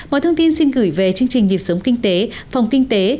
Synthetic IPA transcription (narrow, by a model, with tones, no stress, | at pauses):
mmɔ̰˧˨jt̪ʰə˧wŋ͡mt̪i˧nsi˧nɣɨ˧˩jve˨˩t͡ɕɨ˧əŋt͡ɕï˨˩ŋ̟ɲi˨˩p̚sə˨˦wŋ͡mki˧ŋ̟t̪e˨˦fa˨˩wŋ͡mkï˧ŋ̟t̪e˨˦